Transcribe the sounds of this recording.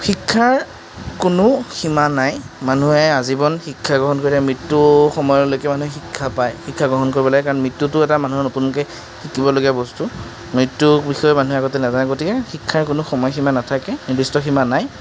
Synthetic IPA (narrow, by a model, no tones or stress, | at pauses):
xikʰːaɹ | kʊnʊximanajmanuɦɛazibɔnxikʰːaɡɹɔɦɔnkoɹitaɛmɹitːuxɔmɔjɔlojkɛmanuɛxikʰːapajxikʰːaɡɔɦɔnkoɹibɔlaɡɛkaɹɔnmɹitːutʊɛtamanuɦɛnotunkɛ | xikibɔloɡijabɔstu | mɹitːubixɔjɔmanuɦɛaɡɔtɛnazankotikɛxikʰːaɹkʊnʊxɔmɔjximanatʰakɛnidistɔximanaj